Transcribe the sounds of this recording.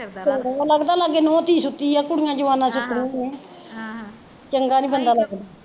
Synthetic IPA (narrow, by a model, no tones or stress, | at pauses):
t͡ʃəŋɡaːləɡd̪aːləɡeːnɔ̃ːt̪iːsʊt̪iːaːkʊɽɪjãːd͡ʒəʋaːnãːsʊt̪ʰɾĩneː | t͡ʃəŋɡaːnĩːbənd̪aːləɡd̪aː